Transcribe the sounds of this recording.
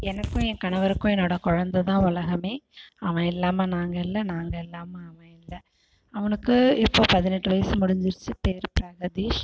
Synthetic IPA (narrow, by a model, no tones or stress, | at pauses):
ɛnɐkːʊ̃ɛ̃ːkɐɳɐʋɐɾɯkːʊ̃ɛnːoːɽɐkɔɻɐnd̪ɐt̪ãːʊlɐɣɐmeːɐʋɐ̃ɪlːaːmɐnaːŋɡɐɪlːɐnaːŋɡɐɪlːaːmɐɐʋɐ̃ɪlːɐ | ɐʋɐnɯkːɯɪpːoːpɐðɪnɛʈːɯʋɐjɐsmʊɽɪɲd͡ʒɪɾɯt͡ʃːɯpeːɾpɾɐɣɐðiʃ